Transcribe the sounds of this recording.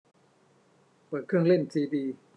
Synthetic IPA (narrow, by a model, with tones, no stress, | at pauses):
pɤː˨˩t̪̚kʰɯ˥˩˨ŋle˥˩ntʰiː˧diː˧